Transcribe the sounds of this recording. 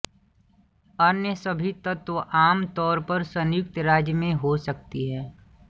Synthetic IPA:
ənjəsəbʱit̪ət̪ʋəʔaːmt̪ɔːɾpəɾsə̃njʊk̚t̪ɾaːd͡ʒjəmẽɦosək̚t̪iɦɛː

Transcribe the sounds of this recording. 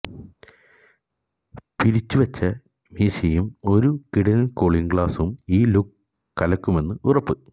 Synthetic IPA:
piɾit͡ɕːuʋɐt͡ɕːɐ | miːsijumo̞ɾukiɽɐnɐlkoːɭiŋɡɭaːsumiːlukː | kɐlɐkːume̞nːɨʔurɐpːɨ

